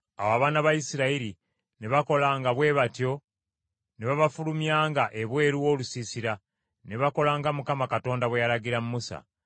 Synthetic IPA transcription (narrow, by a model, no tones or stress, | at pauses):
a̰waβaːnaβajisiɾaiɾi | ne̞βako̞laːŋɡaβwe̞ːβatjo̞ | neβaβafulumjaːŋɡaʔe̞βwe̞ːɾuwo̞ːlusisiɾa | ne̞βako̞laːŋɡamukamakato̞ːndaβwejaɾaɡiɾamumusa̰